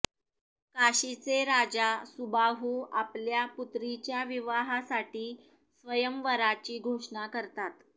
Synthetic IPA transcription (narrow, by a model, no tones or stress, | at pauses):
kaɕit͡seɾad͡zasubaɦuapljaput̪ɾit͡ɕjaʋiʋaɦasaʈiː | sʋəjəmʋəɾat͡ɕiːɡʱoʂɳakəɾt̪at̪